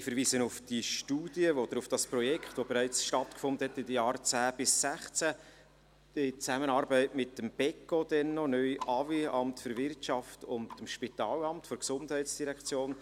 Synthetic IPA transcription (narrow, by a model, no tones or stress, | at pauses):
ɪfəɾviːsənʊfd̥iʃtuːdiəvod̥̪əɾʊfd̥ɑsprɔjɛkχtvobɛɾæɪt͡sʃtɑt̪kfʊndəhɛtɪdəjɑːrt͡sæːb̥ɪsːæχt͡sæ | ɪt͡sæmənɑːɾbɛɪtmɪtːəmb̥ɛkodɛnːɔnœʏʔɑviɑmtfʏɾvɪrtʃɑftʊndəmʃpit̪ɑːlɑmtfɔɾksʊndhɛɪtsd̥iɾɛkt͡sjoːn